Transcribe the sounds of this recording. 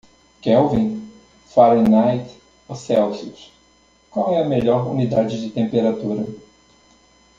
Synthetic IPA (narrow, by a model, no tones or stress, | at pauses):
kɛwvĩ | faɾĩnajt̪ | osɛwsiʊs | kwawɛɐmeʎɔɾṵnid̪ad͡ʒɪd͡ʒɪt̪ẽmpeɾat̪uɾɐ